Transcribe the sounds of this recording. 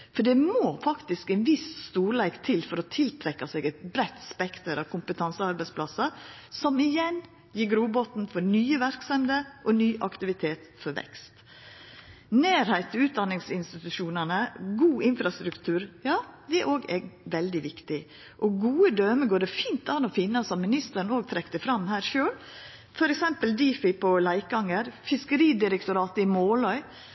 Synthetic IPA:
fɔɖɛmoːfɑkt̪ɪskɛɪnʋɪsst̪uːɭæɪkt̪ʰɪlfɔɾɔt̪ʰɪlt̪ʰɾɛkːɑsɛːɡɛt̪̚bɾɛt̪ːspɛkt̪əɾɑʋkʰʊmpət̪ʰɑnsəɑɾbæɪspʰlɑsɑ | sɔmɪjɛn | jiːɾɡɾuːbɔt̪n̩fɔnyːəʋæɾksɑmd̪əʔɔnyːʔɑkt̪ɪʋɪt̪ʰeːt̪fɔɾʋɛ̰kst̪ | neːɾhæɪt̪ɔʉːt̪̚d̪ɑnːɪŋsɪnst̪ɪt̪ʉʃuːnənəɡuːʔɪnfɾɑst̪ɾʉkt̪ʰʉːɾjɑːd̪ɛæɾʔoːɡɛːɡʋɛld̪ɪʋɪkt̪ɪ | ʔɔɡuːəd̪øːməɡoːɖɛfiːnt̪ɑnɔfɪnːɑsɔmmɪnɪst̪əɾnoːɡ̚t̪ʰɾɛkt̪əfɾɑmːhæːɾʃøːl | fɔɾɛksɛmpəld̪iːfɪpʰɔlæɪk̚ɑŋəɾfɪskəɾiːd̪ɪɾəkt̪ʊɾɑːt̪əɪmoːlɔʏ

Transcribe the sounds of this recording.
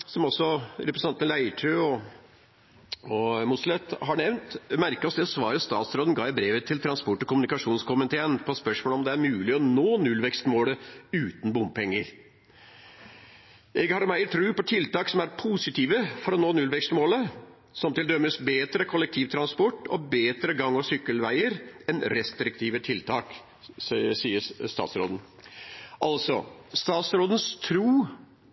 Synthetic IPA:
sɔmɔsɔɾɛpɾsɑnt̪ənlæɪʈʰøːɔ | ɔmʊslɛt̪ːhɑɳɛʋnt̪mæɾkɔsd̪ɛsʋɑːɾəst̪ɑ̰ːt̪sɾɔːd̪ənɡɑːæbɾeːʋət̪ʰːɪlt̪ʰɾɑnspɔʈːɔkʊmʉnɪkɑʂuːnskʊmənt̪ʰeːənpʰɔspœʂmoːlɔmd̪ɛæɾmʉːlɪɔnoːnʉlːʋɛkst̪moːləʉːt̪n̩bʊmpʰɛŋːəɾ | ʔɛɡhɑɾmæɪt̪ʰɾʉːpɔt̪ʰɪlt̪ɑːksɔmæɾpʰusɪt̪ʰiːʋəfɔɾɔnoːnʉlʋɛkst̪moːlə | sɔmt̪ɪld̪œmːəsbeːt̪ɾəkʰɔlɛk̚t̪ʰiːʋt̪ʰɾɑnspɔʈːɔ̰beːt̪ɾəɡɑŋːɔsʏkːəlʋæɪəɾɛnɾɛst̪ɾɪk̚t̪ʰiːʋət̪ʰɪlt̪ʰɑːk | siːəɾst̪ɑ̰ːt̪sɾo̰ːd̪n̩ | ʔɑlsɔ̰st̪ɑːt̪sɾoːd̪ən̩st̪ʰɾuː

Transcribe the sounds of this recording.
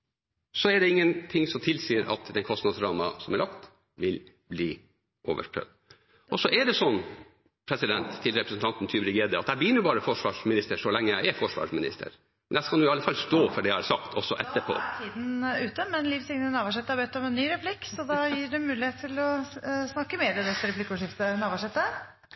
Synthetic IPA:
sɔɛɖɛɪŋːənt̪ʰɪŋsɔmt̪ʰɪlsiːəɾɑ̰t̪d̪ɛnkʰɔst̪nɑd̪sɾɑːmɑsɔmæɾlʔɑkt̪ | ʋɪl | bliː | ʔoːʋə̰ʂpʰɾœ̰d̪ | ʔɔsɔʔɛɖɛsɔnː | pʰɾɛsɪd̪ɛnt̪ʰːɪlɾɛpɾəsn̩t̪ɑnt̪n̩t̪ʰyːbɾɪɡeːd̪əɑt̪hæɪbəjʏnːəbɑːɾəfɔʂʋɑːʂmɪnɪst̪əʂɔlɛŋːəjæɪɛfɔʂʋɑ̰ːʂmɪnɪ̰st̪ʰə̰ɾ | mɛnækɑnjʊɪɑlːəfɑlst̪oːfɔɖɛæhɑɾsɑkt̪ʰɔsːɔʔɛt̪ːəɾpʰo̰ːt̪ʰiːd̪n̩ʉːt̪əmɛnliːfsɪŋnəənɑːʋæʂɛt̪ːəhɑɾbɛt̪ːɔmɛnnːyːɾɛpʰlɪkːsɔd̪ɑjiːɖɛmʉːlɪheːt̪t̪ʰːɪlɔsnɑkːəmeːɾɛd̪ɛt̪ːəɾɛpʰlɪkːʊʂɪft̪ənɑːʋɑʂɛt̪ːə

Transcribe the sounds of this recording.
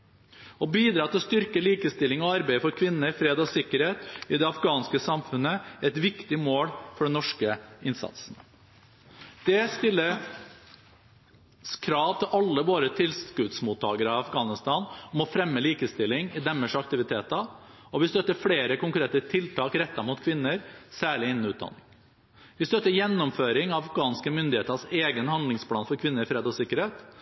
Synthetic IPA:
ɔbiːd̪ɾɑːt̪ʰɪlɔst̪ʏɾkəliːkəst̪ɪlːɪŋɔɑɾbæɪəfɔɾkʰʋɪnːəɾfɾeːd̪ɔsɪkːəɾheːt̪ɪd̪ɛɑfɡɑːnskəsɑmfʉnːəɛt̪ʋɪkt̪ɪmoːɽfɔɖɛnɔʂkəɪnsɑ̰t̪sn̩ | d̪̥ɛst̪ɪlːə | skʰɾɑːʋt̪ʰɪlʔɑlːəʋoːɾət̪ʰɪlskʉd̪smuːt̪ʰːɑːɡəɾɑɑfɡɑːnɪst̪ɑːnɔmɔfɾɛmːəliːkəst̪ɪlːɪŋɪd̪ɛmːəʂɑk̚t̪ɪʋɪt̪ʰeːt̪ɑ | ɔʋɪst̪œt̪ːəɾfɽeːɾəkʊŋkɾeːt̪ət̪ʰɪlt̪ʰɑːkɾɛt̪ːɑmuːt̪kʰʋɪnːəɾsæːɭɪɪnən̩ʉːt̪̚d̪ɑ̰nːɪ̰ŋ | ʋɪst̪œt̪ːəjɛnːɔmføːɾɪŋɑʋɑfɡɑːnskəmʏnd̪ɪheːt̪əseːɡənhɑnd̪lɪŋspʰlɑːnfɔɾkʰʋɪnːəɾɪfɾeːd̪ɔsɪkːəɾheːt̪

